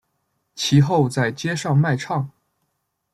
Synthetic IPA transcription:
t͡ɕʰi˧˥xo˥˧ʊt͡sa˥˩ɪt͡ɕjɛ˥ʂɑ˥˧ŋma˥˧ɪʈ͡ʂʰɑ˥˩ŋ

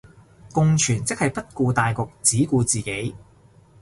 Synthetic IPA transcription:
kʊ˧ŋt͡ʃʰyː˨˩nt͡sɪ˥k̚hɐ˨jpɐ˥t̚kuː˧t̪aː˨jkʊ˨k̚t͡siː˨˥kuː˧t͡siː˨˩ke˨˥j

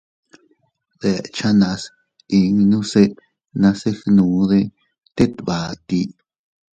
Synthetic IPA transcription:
ð̥e˧˨t͡ʃã˦nã˧s | i˧ŋnũ˦se˦˧ | nã˧se˦xnũ˨˦ðe˧ | t̪e˦t̪βa˨t̪i˧

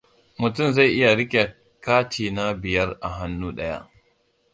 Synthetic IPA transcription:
mʊ˨tʊ˦˨mza˦˨ʔɪ˦ja˨ɾɪ˦kʲe˨ | kaː˦tiː˨na˦bɪ˨jɐ˦rʔa˨ɦa˦nːuː˦ɗɐ˦ja̰˦ʔ

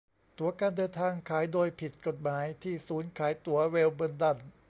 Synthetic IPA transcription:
t̪u˩˦ɐkaː˧ndɤː˧nt̪ʰaː˧ŋkʰaː˩˦jdoː˧jpʰi˨˩t̪̚ko˨˩t̪̚maː˩˦jt̪ʰiː˥˩suː˩˦nkʰaː˩˦jt̪u˩˦ɐweː˧wbɯ˧nda˧˩n

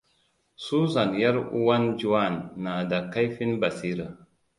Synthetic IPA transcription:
su˦za˨nja˦ɾṵ˦wa˦nd͡ʒu˦wa˦˨nːa˨da˨kːa˦jfi˦nba˨si˦ɾə˨

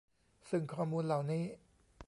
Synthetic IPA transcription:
sɯ˨˩ŋkʰɔː˧˩muː˧nla˨˩wniː˥˩

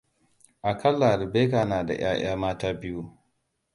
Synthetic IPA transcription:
ʔa˨kʰɐ˦lːa˨ɾɪ˨beː˦kaː˨naː˨da̰˨j̰a̰ː˦j̰aː˦maː˦taː˦bɪ˦ju˦

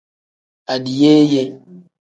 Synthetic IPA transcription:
a˨di˨je˦je˦

